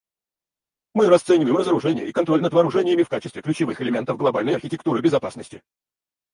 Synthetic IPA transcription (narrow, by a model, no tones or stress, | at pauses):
mɨɾɐst̪sɛnʲɪvəjɪmrəzəɾʊʐɛnʲɪ̰jəikɐnt̪ɾo̞lʲnəd̪vɐːɾʊʐɛnʲɪjəmʲɪfkat͡ɕɪst̪vʲɪklʲʉt͡ɕɪvɨxɪlʲɪmʲe̞nt̪əvɡlˠɐbalʲnəjɐrxʲɪtʲɪk̚t̪uɾɨbʲɪzɐpasnəsʲtʲɪ